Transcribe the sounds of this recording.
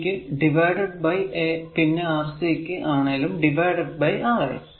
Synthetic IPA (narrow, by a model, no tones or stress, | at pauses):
kʲːɨɖiʋɐjɖɐɖ̚bɐjeːpinːeaːʋɐsɐekʲːɨʔaːɳeːlumɖiʋɐjɖɐɖ̚bɐjaːɣḛ